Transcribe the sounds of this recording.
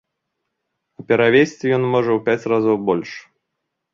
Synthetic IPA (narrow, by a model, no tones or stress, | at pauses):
upʲɛɾavʲesʲt͡sʲijɔnmɔʐɐwpʲat͡sʲrazɔwbɔlʲʂ